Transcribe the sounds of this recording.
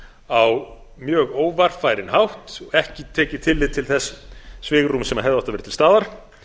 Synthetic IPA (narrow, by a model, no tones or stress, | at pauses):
aw | mjœːɣoːwvar̥faːjɾɪnhawht̪ɔɣɛhcɪt̪ʰɛːcɪt̪ʰɪlːɪðt̪ʰɪlθɛsːsvɪːɣɾrumsɛmaɦɛvðɪawht̪avɪɾt̪ʰɪlst̪aːðaɾ̥